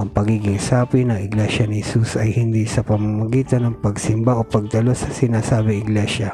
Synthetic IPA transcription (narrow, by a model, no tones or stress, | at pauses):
ʔɐŋpɐɡiːɡɪŋsaːpɪnɐŋɪɡlɛʃɐnɪhɛsusʔɐjhɪnd̪isɐpɐmamɐɡiːt̪ɐnɐŋpɐɡsɪmbaʔopɐɡ̚t̪ɐlosːɐsɪnaːsaːbɪŋɪɡlɛʃɐ